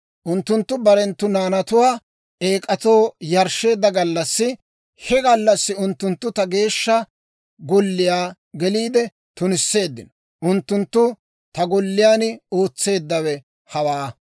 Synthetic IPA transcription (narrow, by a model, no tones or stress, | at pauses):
ʔʊnt̪ːʊnt̪ːʊbɐɾɛnt̪ːʊnaːnɐt̪ʊwaː | ʔe̞ːkʼɐt̪o̞ːjɐɾʃe̞ːd̪ːɐɡɐlːɐsːɪ | hɛɡɐlːɐsːɪʊnt̪ːʊnt̪ːʊt̪ɐɡe̞ːʃːɐ | ɡɔlːɪjaː | ɡɛliːd̪ɛ | t̪ʊnɪsːe̞ːd̪ːɪnɔ | ʔʊnt̪ːʊnt̪ːʊ | t̪ɐɡɔlːɪjaːno̞ːt͡sːe̞ːd̪ːɐwɛ | hɐwaː